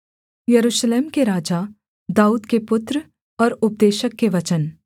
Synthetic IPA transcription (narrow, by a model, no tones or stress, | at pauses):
jɐɾuːʃleːmkeɾaːd͡ʒa | d̪aːuːd̪kepʊt̪ɾ | ɔːɾʊp̚d̪eːʃəkːeʋɐt͡ʃən